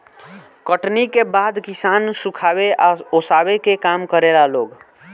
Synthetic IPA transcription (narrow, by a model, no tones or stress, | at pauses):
kəʈnikebad̪kisansukʰabeʔaosabekekamkəɾelaloɡ